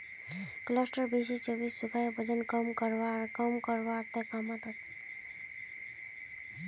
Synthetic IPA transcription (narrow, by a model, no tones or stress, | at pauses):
klʌsʈʌɾbiset͡ʃobissukajbʱʌd͡ʒʌnkʌmkʌɾbakʌmkʌɾbat̪ekʌmʌt̪ʌt̪